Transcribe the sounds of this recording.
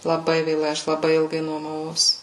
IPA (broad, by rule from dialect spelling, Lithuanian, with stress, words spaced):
lˠɐˈbɐɪ ʋʲeːˈlˠɐɪ ˈɐʃ lˠɐˈbɐɪ ˈɪlˠɡɐɪ nuɔmɐˈʋɐʊs